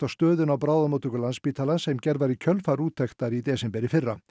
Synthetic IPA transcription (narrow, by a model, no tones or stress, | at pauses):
t̪awst̪œːðɪnawbɾawðamut̪ʏkʏlanspiːt̪ʰalansɛmcɛɾvaɾicʰœlfaɾuːt̪ʰːɛkt̪aɾid̪ɛːsɛmpɛɾɪfɪrːa